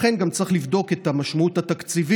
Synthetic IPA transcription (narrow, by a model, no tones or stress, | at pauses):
χe̞nɡamt͡sʁiχlivd̪o̞ke̞t̪amaʃmauthat̪akt͡sivi